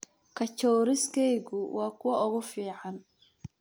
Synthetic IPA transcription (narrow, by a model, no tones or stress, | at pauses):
kʰɐt͡ʃɔːɾɪskʰɛjɣʊwɑːkʰʊwɐʔʊɣʊfiːʕɑn